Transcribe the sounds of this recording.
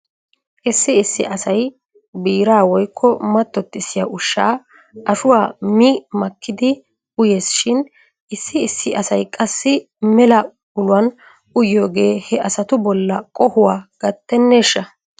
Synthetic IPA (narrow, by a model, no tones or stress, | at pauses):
ʔɪsːɪɪsːɪ̰ʔɐsɐj | biːɾaːwɔjkʰːɔmɐt̪ːɔt̪ːɪsɪjɐʔʊʃːa̰ː | ʔɐʃʊwaːmimɐkʰːɪd̪ɪ | ʊje̞ːsʃɪn | ʔɪsːɪːsːɪʔɐsɐjkʼɐsːɪ | mɛlɐ | bʊlʊwɐn | ʊjo̞ːɡe̞ːhɛʔɐsɐt̪ʊbɔlːɐkʼɔhʊwaːɡ̥ɐt̪ːɛnːeʃːɐ